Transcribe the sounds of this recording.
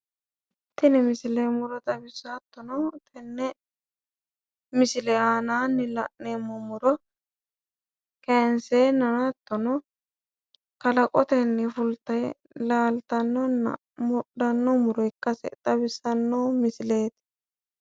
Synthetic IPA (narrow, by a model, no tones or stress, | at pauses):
t̪ːɪnɛmɪsɪlemʊɾɔt̪ʼɐbɪsːat̪ːɔnɔt̪ʰɛnːɛ | mɪsɪlɛaːnaːnːɪlɐ̰ʔneːmːɔmʊɾɔ | kɛnseːnɐnat̪ːɔnɔ | kɐlɐkʼɔt̪ɛnːɛfʊlt̪ːɐj | laːlt̪ɐnːɔn̰ | mʊd̪ɐnːɔmʊɾɔɪkːɐsɛ̰t̪ʼɐbɪsɐnːomɪsɪleːt̪